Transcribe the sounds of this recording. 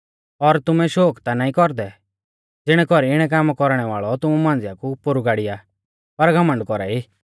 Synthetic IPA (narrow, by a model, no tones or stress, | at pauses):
ɔɾt̪ʊmɛʃoːkt̪anaːĩkɔɾd̪ɛ | d͡zɪɽ̃ɛkɔɾiɪɽ̃ɛk̬aːmkɔɾɽ̃ɛʋaːɭɔt̪ʊmumãːnd͡zɪjakupʊɾuɡaːɽɪja | pɐɾɡʱɐmə̃ɳɖkɔɾa̰ːiː